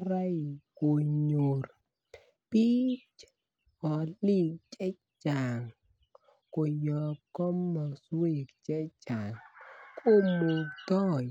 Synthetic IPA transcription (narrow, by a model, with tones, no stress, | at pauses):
ɾa˦jko˨˧ɲo˧r | pi˦t͡ʃ | ɔ˨˦li˦˨k̚t͡ʃɛ˦ | t͡ʃa˨ŋ | ko˨˧jɔ˧kɔ˦mːɔ˧swe˧˨k̚t͡ʃɛ˦t͡ʃaː˨ŋkʰo˦˧˨mo˧kt̪ɔ˦j